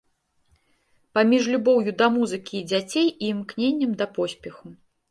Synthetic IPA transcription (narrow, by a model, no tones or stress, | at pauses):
pamʲiʐlʲubɔwjud̪ɐmuzɨkʲiːd͡zʲat͡sʲejimknʲenʲːɐmd̪ɐpɔsʲpʲɛxu